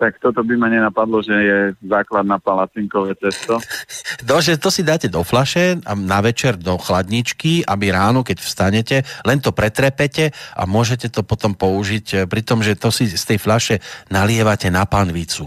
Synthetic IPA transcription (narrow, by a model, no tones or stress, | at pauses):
t̪akt̪ɔt̪ɔbimaɲɛnapad̪lɔʒɛjɛzaːklad̪̚naːpalat͡siŋkɔʋɛːt͡sɛst̪ɔd̪ɔʒɛt̪ɔsid̪aːcɛd̪ɔflaʃɛanaʋɛt͡ʃɛɾd̪ɔxlad̪ɲit͡ʃkiabiɾaːnɔkɛcfst̪aɲɛcɛlɛnt̪ɔpɾɛt̪ɾɛpɛcɛʔa̰mʊɔʒɛcɛt̪ɔpɔt̪ɔmpɔuʒicpɾit̪ɔmʒɛt̪ɔsist̪ɛjflaʃɛnalɪɛʋacɛnapanʋit͡su